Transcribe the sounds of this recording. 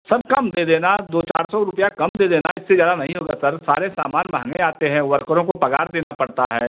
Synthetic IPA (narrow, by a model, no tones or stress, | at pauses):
sɐb̚kɐmd̪eːd̪eːnad̪oːt͡ʃa̰ːɾsɔɾʊpəjakɐmd̪eːd̪eːna̰ɪsːezjaːd̪anɐɦĩɦoːɡasɐɾsa̰ːɾesa̰ːmaːnbãːŋɡeaːt̪eɦɛ̃ʋɐɾkəɾõkopɐɡa̰ːɾd̪eːnapɐɽt̪a̰ɦɛː